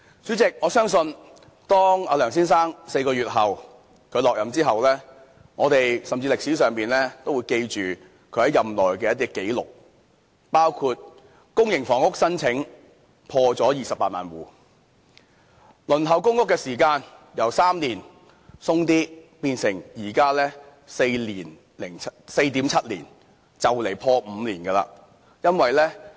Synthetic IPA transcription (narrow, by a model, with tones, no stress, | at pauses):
t͡syː˨˥t͡sɪ˨k̚ŋɔː˨˧sœː˥ŋsɵ˧n | t̪ɔː˥ŋaː˨˧lœː˨˩ŋs̬iː˥nsaː˥ŋse˧jkɔː˧yː˨t̚ɦɐ˨w | kʰɵ˨˧ɥlɔː˨k̚jɐ˨˧˥mt͡siː˥ɦɐ˨wlɛː˥ | ŋɔː˨˧t̪e˨jsɐ˨mt͡siː˧lɪ˨k̚si˨˥sœː˨ŋpiː˨nlɛː˥t̪o˥wu˨˧jke˧jt͡ʃyː˨ | kʰɵ˨˧ɥhɐ˨˥jɐ˨mlɔː˨˩jkɛː˧jɐ˥t̪̬i˥ke˨˥jlʊ̰˨k̚ | paː˥wkʰuː˧t̚ | kʊ˥ŋjɪ˨˩ŋfɔː˨˩ŋʊ˥k̚sɐ˥nt͡sʰɪ˨˥ŋ | pʰɔː˧t͡sɔː˨˥jiː˨sɐ˨pːaː˧t̚maː˨˩nwuː˨ | lɵ˨˩nɦɐ˨˩wkʊ˥ŋkʊ˥kːɛː˧siː˨˩kaː˧njɐ˨˩wsaː˥mliː˨˩n | sʊ˥ŋt̪iː˥piː˧nsɪ˨˩ŋjiː˨˩kaː˥lɛː˥ | se˧jliː˨˩n | lɪ˨˩ŋse˧jt̪iː˨˥mt͡sʰɐ˥t̚liː˨˩n | t͡sɐ˨wle˨˩jpʰɔː˧m̩ː˨˧liː˨˩nɡɛː˧la̰ː˧ | jɐ˥nwɐ˨jlɛː˥